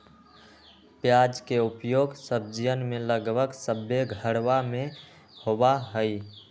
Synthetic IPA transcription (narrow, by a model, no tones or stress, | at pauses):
pjad͡ʒkeʊpjoːɡsəb̚d͡ʒijənmẽləɡbəksəbjeɡʱəɽwamẽ | hobaɦəi